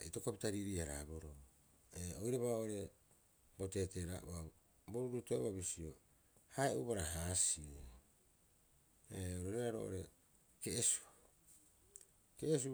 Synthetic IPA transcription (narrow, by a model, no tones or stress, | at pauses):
ito̞kopitaɾiɾiaɾa̰bo̞ɾo | eojɾaβaʔoɾe̞ | bo̞te̞ːteɾa̰ʔṵa | boɾuɾutoβabisio | haeuβaɾaɦaːsio | eoɾoɾeɾaɾo̞̰ʔoɾe̞ | ke̞ʔːsu̥ | ke̞ːs̬u